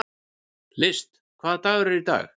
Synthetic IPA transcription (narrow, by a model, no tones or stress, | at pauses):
lɪst̪ | kʰvaːðt̪aːɣɾɪɾit̪a̰ːɣ